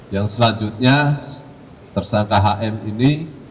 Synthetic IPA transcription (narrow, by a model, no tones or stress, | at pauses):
jaŋsəlaɲd͡ʒut̪̚ɲa | t̪ərsaŋkaɦaʔɛnini